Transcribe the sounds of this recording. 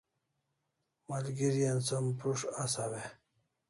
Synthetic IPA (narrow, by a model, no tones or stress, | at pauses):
malɡiɾijansəmpɾuʂasawe